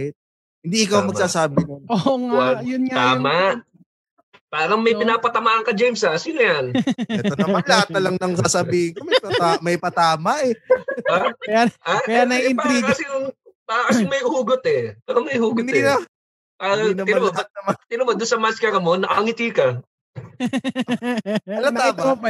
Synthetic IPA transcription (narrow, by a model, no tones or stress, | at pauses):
ɪ | hɪnd̪iʔɪkawmɐɡsaːsaːbɪnonojʊnt̪aːmaʔ | paːɾɐŋmɐjpɪnaːpɐt̪ɐmaːʔɐŋkɐd͡ʒejmsɐsiːnojanɛt̪onɐmɐlɐhat̪̚ɐlɐŋnɐŋsaːsɐbiːhɪnkomɐpɐj̪amɐjpɐt̪aːmɐʔɛaːɾɐŋjaakɐjaːnɐɪnaiɡɐsɪjʊŋpakɐsʊŋmɐjhuːɡot̪ɛpaːɾɐŋmɐjhuːɡʊd̪iɐ | ʔainɐɪnaɐɐmɐt̪ɪnʊmɐd̪ʊnsɐmaskɐɾɐmonːɐʔɐhɐŋɪt̪iːkɐ | ɐlɐabab